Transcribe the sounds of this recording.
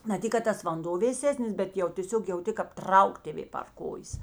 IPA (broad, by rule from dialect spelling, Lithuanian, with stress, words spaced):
nɐ ˈtʲɪk kɐt ˈtɐs ʋɐnˈdoː ʋʲeːˈsʲæːsʲnʲɪs bʲɛt ˈjɛʊ tʲeːˈsʲoːk jɛʊˈtʲɪ kɐp ˈtrɐʊk tʲeːˈʋʲeː pɐr ˈkoːjeːs